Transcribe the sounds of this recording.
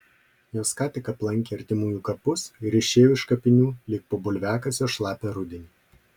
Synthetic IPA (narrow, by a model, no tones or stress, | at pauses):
joːskɑːt̪ʲɪkɐplˠɐŋʲˑkʲeɐɾʲt̪ʲɪmuːjuːkɐpʊsɪɾɪʃʲeːjoːɪʃkɐpʲɪnʲuːlʲɪk̚poːbʊlʲʋʲæːkɐsʲjɔʃlˠɑːpʲɛɾʊd̪ʲɪnʲi